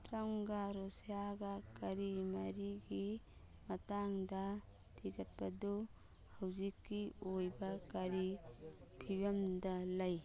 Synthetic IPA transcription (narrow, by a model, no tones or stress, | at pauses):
t̪ɾɐŋɡaɾosjaɡɐkɐɾimɐɾiɡi | mɐtaŋdɐ | tʰiɡɐt̚pɐdu | hɐwzikːiojbɐkɐɾi | pʰibɐmdɐlɐj